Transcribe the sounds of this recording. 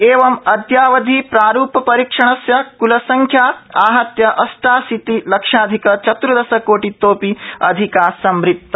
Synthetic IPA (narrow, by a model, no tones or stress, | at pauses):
eːʋɐmɐd̪jaːʋɐd̪ʱipɾaːɾuːpɐpɐɾiːkʂɐɳ̃ɐsjɐkulɐsɐŋkʰjaːaːɦɐt̪jɐʔɐsʈaːsit̪ilɐkʂaːd̪ʱikɐt͡ʃɐt̪ɾud̪ɐsɐkoːʈit̪oːpiɐd̪ʱikaːsɐmɾit̪ːɐ